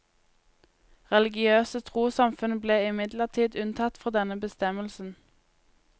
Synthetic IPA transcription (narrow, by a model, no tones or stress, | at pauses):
ʁɛlɪɡɪøːsət̪ʰʁuːsɑmfʉnbleːɪmɪd̪ləʁt̪ʰiːd̪ʉnt̪ʰɑt̪fɔʁd̪ɛnəbəst̪ɛməlsn̩